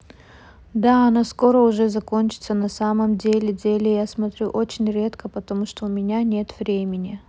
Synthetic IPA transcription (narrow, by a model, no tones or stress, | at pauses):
d̪aɐnasko̞ɾəʊʐɛzɐkonʲt͡ɕɪ̥t̪sənɐsaməmdʲelʲɪdʲelʲɪjasmɐt̪ɾʲuʔot͡ɕɪnʲɾʲe̞t̪kəpət̪ɐmuʂt̪o̞ʊmʲɪnʲanʲe̞t̪v̥ɾʲemʲɪnʲɪ